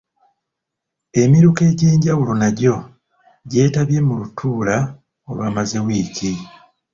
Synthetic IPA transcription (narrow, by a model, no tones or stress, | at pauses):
e̞miɾuke̞ːɟe̞ːɲɟawulo̞naɟo̞ | ɟe̞ːtaβje̞mulutʰuːla | o̞lwaːmazewiːci